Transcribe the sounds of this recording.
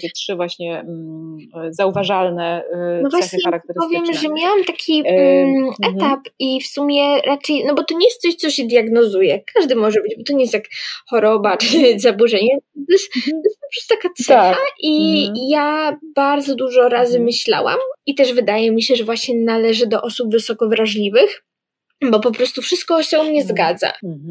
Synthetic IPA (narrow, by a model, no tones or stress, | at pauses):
t̪akʲɛtʂɘvwaɕɲɛ | zauvaʐalnɛnɔvwaaɲʲɛaɾak̚t̪ɛɾpɔvʲjɛmʐɛmʲjawamt̪akʲi | ɛt̪apifsumʲjɛɾʔat͡ʂɛjnɔbɔt̪ɔɲejɛst̪sɔɕt̪sɔɕɛd̪ʲjaɡnɔzujɛkaʐd̪ɘmɔʐɛbɘd͡ʑbɔt̪ɔɲejest̪jakxɔɾɔbat͡ʂɘzabuʐɛɲɛt̪ɔjɛst̪t̪ɔjɛspɔpɾɔst̪ut̪akat̪ssɛxaʔijab̥aɾd̪zɔd̪uʐɔɾazɘmɘɕla̰wa̰mit̪ɛʐvɘd̪ajɛmʲiɕɛʐɛvwaɕɲɛnalɛʐɘd̪ɔʔɔsubvɘsɔkɔvɾaʐlʲivɘx | bɔpɔpɾɔst̪ufʂɨst̪̚kɔɕɛumɲɛzɡad̪za̰